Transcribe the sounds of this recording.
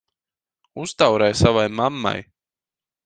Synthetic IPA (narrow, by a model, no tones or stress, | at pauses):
ust̪awɾɛjsavajmamːa̰j